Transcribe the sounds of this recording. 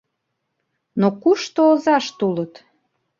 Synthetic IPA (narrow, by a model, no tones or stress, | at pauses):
nokuʃt̪oːzɑʃt̪ulət̪